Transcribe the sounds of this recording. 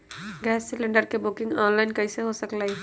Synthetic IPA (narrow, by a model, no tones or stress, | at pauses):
ɡɛːsːɪlə̃ɳɖəɾkebʊkɪ̃ŋɡɔːnlaɪnkɐiseɦosəklai